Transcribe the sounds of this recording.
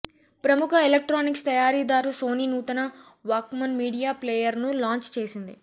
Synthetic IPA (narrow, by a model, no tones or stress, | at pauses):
pɾɐmukʰɐelɐk̚ʈɾaːnikst̪ɐjaːɾiːd̪aːɾuso̞ːniːnuːt̪ɐnɐ | ʋaːkmɐnmiːɽijaːpleːjɐɾnulaːɲt͡ʃt͡ʃe̞ːsind̪i